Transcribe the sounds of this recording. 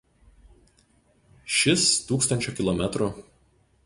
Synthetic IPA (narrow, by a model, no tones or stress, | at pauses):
ʃʲɪst̪uːkst̪ɐnʲt͡ʃʲokʲɪlˠɔmʲɛt̪ɾʊ